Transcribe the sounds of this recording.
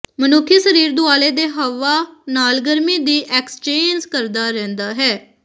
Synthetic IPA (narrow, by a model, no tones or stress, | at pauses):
mənʊkʰːisəɾiːɾd̪ʊaːleːd̪eːɦəʋaːnaːlɡəɾmiːd̪iːʔɛːkst͡ʃeːnd͡ʒkəɾd̪aːɾɛ̃ːnd̪aːɦɛː